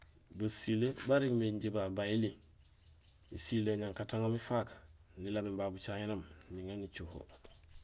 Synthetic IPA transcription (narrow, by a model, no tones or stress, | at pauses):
basilebaɾiɡmiɲɟibabaili | isileɲaŋkataŋomifak | nilabimbabut͡ʃaɲinamniŋanit͡ʃuho̰